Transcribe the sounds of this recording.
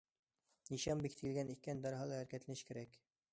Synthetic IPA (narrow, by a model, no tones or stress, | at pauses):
niʃɑmbikt̪ɘ̆ɘ̆lɡænikːænd̪ɑɾɤɦɑlˠɑæɾkæt̪lænɘʃkɘ̆ɾæk